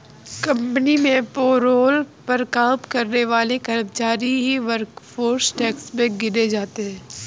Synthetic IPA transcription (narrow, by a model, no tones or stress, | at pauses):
kɐ̃mpənimẽpoːɾoːlpəɾkaːpkɐɾneʋaːlekɐɾəb̚t͡ʃaːɾiɦiʋəɾkfʰoːɾsʈɛːksmẽɡɪɾed͡ʒaːt̪eɦɛ̃ː